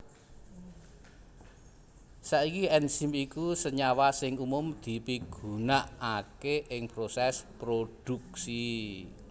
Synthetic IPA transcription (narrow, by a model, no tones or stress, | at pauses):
saikiɛnsimikusəɲawasɪŋumʊmd̪̥i̤piɡ̥ṳnaʔakeʔɪŋpɾosɛspɾod̥ṳksi